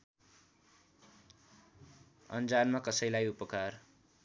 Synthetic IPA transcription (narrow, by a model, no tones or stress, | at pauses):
ʌ̰nd͡zanmakʌsʌjlajupʌkar